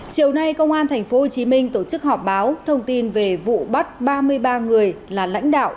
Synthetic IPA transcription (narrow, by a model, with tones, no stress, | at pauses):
t͡ɕi˨˩əwna˧jkə˧wŋ͡mʔaː˧nt̪ʰɛ˨˩ŋ̟fo˨˦ɦo˨˩t͡ɕi˨˦mï˧ŋ̟t̪o˧˩t͡ɕɨ˦˥k̚hɔ˨˩p̚ɓaː˨˦wt̪ʰə˧wŋ͡mt̪i˧nve˨˩vṵ˧˨ɓa˦˥t̚ɓaː˧mɨ˧əjɓaː˧ŋɨ˨˩əjlaː˨˩la̰˧˥jŋ̟ɗa̰ː˧˨wʔ